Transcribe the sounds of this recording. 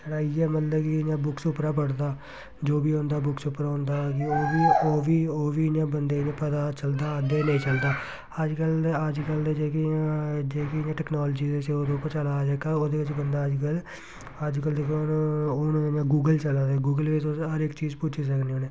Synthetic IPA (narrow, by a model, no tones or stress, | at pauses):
t͡ʃəɽaːɪjɛːmət̪ləbkɪɪɲãːbʊksʊpɾaːp̬əɽd̪aː | d͡ʒoːbiːõːnd̪aːbʊksʊpɾaːɦõːnd̪aːkioːʋiːoːʋiːoːʋiːnãːbənd̪eːnẽːpəd̪aːt͡ʃəld̪aːəd̪eːnəĩːt͡ʃəld̪aː | əd͡ʒkələd͡ʒkəld͡ʒekd͡ʒeːkinãʈɛːknaːlːd͡ʒiːzeːseoːd̪eʊpːəɾt͡ʃəlaːd͡ʒəkaːoːd̪eːʋɪt͡ʃbənd̪aːəd͡ʒkəl | əd͡ʒkəld̪ekʰːooːnãːnãːɡuːɡəlt͡ʃəlaːd̪eːɡuːɡəlʋɪt͡ʃosɦəɾɪkt͡ʃiːzpʊt͡ʃʰiːs̬əkneoːneː